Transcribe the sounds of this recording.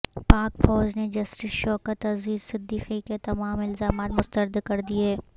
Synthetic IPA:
paːkfɔːd͡ʒned͡ʒɐsʈɪsʃɔːkət̪ɐziːd̪sɪd̪ːiːqiket̪ɐmaːmɪlzaːmaːt̪mʊst̪əɾd̪kɐɾd̪ieː

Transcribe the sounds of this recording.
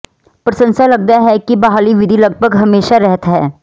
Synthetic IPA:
pɾɐsə̃nsalɐɡ̚d̪aɦɛkibɐɦaːliʋɪd̪ʱilɐɡ̚bʱəɡɦɐmeːʃaɾɛɦt̪ɦɛ̰ː

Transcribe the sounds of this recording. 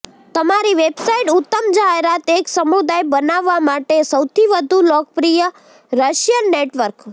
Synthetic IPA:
t̪əmaɾiʋebsaiʈut̪ːəmd͡ʒaeɾat̪eksəmud̪ajbənaʋːamaʈesəwt̪ʰiʋəd̪ʱulɔk̚pɾijə | ɾəʃjənːeʈʋəɾk

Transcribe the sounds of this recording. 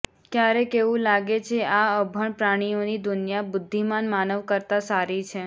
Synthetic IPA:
kjaɾekeʋũlaɡet͡ʃʰeaəbʱəɳpɾaɽ̃ionid̪ʊnjabʊd̪ʱːimanmanəʋkəɾt̪asaɾit͡ʃʰe

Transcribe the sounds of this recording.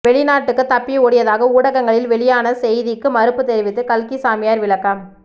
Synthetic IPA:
ʋɛɭɪnaːʈːɯkːɯt̪ːɐpːioːɽɪjɐðaːɣɐuːɽɐɣɐŋɡɐɭɪlʋɛɭɪjaːnɐsɛjðɪkːɯmɐɾɯpːɯt̪ɛɾɪʋɪt̪ːɯkɐlkisaːmɪjaːɾʋɪɭɐkːam

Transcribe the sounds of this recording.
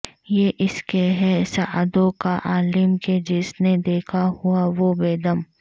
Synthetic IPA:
jeʔɪskeɦɛsaʔd̪õkaʔaːlɪmked͡ʒɪsned̪eːkʰahʊaʋobeːd̪əm

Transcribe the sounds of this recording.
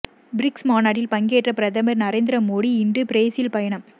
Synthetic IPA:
bɾɪksmaːnaːɽɪlpɐŋɡeːʈrɐpɪɾɐðɐmɐɾnɐɾeːnd̪ɪɾɐmoːɽiɪndrɯpɪɾeːsjɪlpɐjɐɳɐm

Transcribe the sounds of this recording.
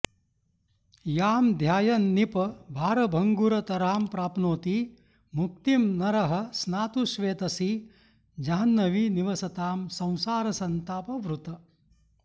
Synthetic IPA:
jaːmd̪ʱjaːjɐnːipɐbʱaːɾɐbʱɐŋɡuɾɐt̪ɐɾaːmpɾaːpnoːt̪i | muk̚t̪imnɐɾɐɦɐ̆snaːt̪uʃʋeːt̪ɐsi | d͡ʒaːnːɐʋiniʋɐsɐt̪aːmsɐ̃w̃saːɾɐsɐnt̪aːpɐʋɾut̪ɐ

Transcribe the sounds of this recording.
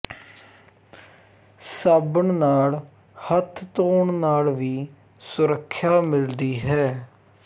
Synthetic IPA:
səbəɳnaːl | hət̪ʰt̪oːɳnaːlʋiː | sʊɾəkʰːjaːmɪld̪iːɦɛː

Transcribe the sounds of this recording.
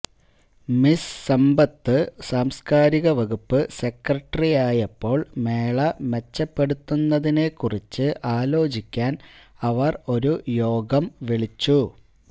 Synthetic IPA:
missɐmbɐt̪ːɨsaːmskaːɾiɣɐʋɐɣupːɨse̞krɐʈːɐrijaːjɐpːo̞ːɭme̞ːɭɐme̞t͡ɕːɐpːe̞ɽut̪ːunːɐðinekːurit͡ɕːɨʔaːlo̞ːt͡ɕikʲːaːnɐʋɐro̞ɾujo̞ːɡɐmʋiɭit͡ɕːu

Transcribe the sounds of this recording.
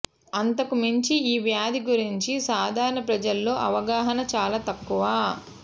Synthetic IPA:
ɐnt̪ɐkumiɲt͡ʃiiːʋjaːd̪iɡuɾiɲt͡ʃisaːd̪ʱaːɾɐɳɐpɾɐd͡ʒɐlːo̞ːʔɐʋɐɡaːɦɐnɐt͡ʃaːlaːt̪ɐkːuʋaː

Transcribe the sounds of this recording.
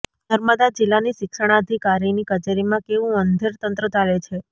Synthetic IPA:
nəɾməd̪ad͡ʒilːaniʃɪkʃəɳ̃aəd̪ʱikaɾinikət͡ʃeɾimãkeʋũənd̪ʱeɾt̪ənt̪ɾət͡ʃalet͡ʃʰe

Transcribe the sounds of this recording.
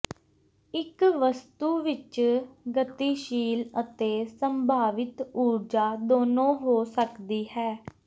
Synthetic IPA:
ɪkʋəst̪uːʋɪt͡ʃɡət̪iːʃiːlət̪eːsəmbʱaːʋɪt̪uːɾd͡ʒaːd̪oːnõːɦoːsəkd̪iːɦɛː

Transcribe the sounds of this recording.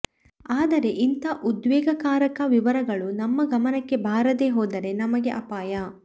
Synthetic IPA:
aːd̪ɐɾe̞ʔint̪ɐʔud̪ʋɛːɡɐkaːɾɐkɐʋiʋɐɾɐɡɐɭunɐmːɐɡɐmɐnɐkːe̞bʱaːɾɐd̪eːɦoːd̪ɐɾe̞nɐmɐɡe̞ʔɐpaːjɐ

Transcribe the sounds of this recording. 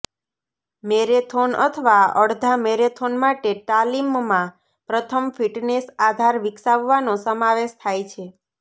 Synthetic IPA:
meɾet̪ʰonə̰t̪ʰəʋaəɽd̪ʱameɾet̪ʰonmaʈeʈalimːã | pɾət̪ʰəmfiʈnesad̪ʱaɾʋiksaʋːanosəmaʋeʃt̪ʰajt͡ʃʰe

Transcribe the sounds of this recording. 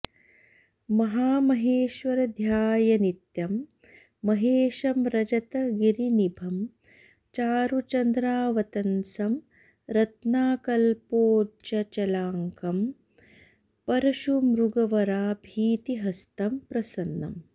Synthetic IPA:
mɐɦaːmɐɦeːʃʋɐɾɐd̪ʱjaːjɐnit̪jɐmː | ɐɦeːʃɐmɾɐd͡ʒɐt̪ɐɡiɾinibʱɐm | t͡ʃaːɾut͡ʃɐnd̪ɾaːʋɐt̪ɐnsɐm | ɾɐt̪naːkɐlpoːt͡ʃɐt͡ʃɐlaːŋkɐm | pɐɾɐʃumɾuɡɐʋɐɾaːbʱiːt̪iɦɐst̪ɐmpɾɐsɐnːɐ̰m

